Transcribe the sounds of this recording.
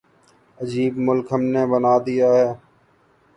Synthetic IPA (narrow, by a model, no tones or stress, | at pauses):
əd͡ʒiːbmʊlkɦəmneːbənaːd̪ɪjaːɦɛː